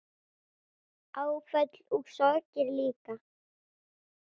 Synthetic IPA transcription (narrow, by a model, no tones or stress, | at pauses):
awfœt̪l̥uɣsɔɾcɪɾliːka